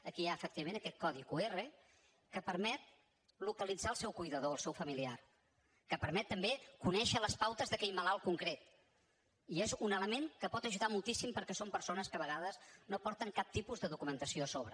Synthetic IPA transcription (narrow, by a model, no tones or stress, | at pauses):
əkiaəfəkt̪iβəmẽnəkɛt̪̚kɔðikuerə | kəpəɾmɛt̪̚ | lukəlid͡zaəlˠsɛwkujðəðoəlˠsɛwfəmiliar | kəpəɾmɛt̪ːəmbekunɛʃələspawt̪əzðəkɛʎməlalˠkuŋkɾet̪ | iezunələmeŋkəpɔt̪əʒuðamulˠt̪isimpəɾkɛsompəɾsonəskəβəɣaðəznopɔɾt̪əŋkap̚t̪ipuzðəðukumənt̪əsiosoβɾə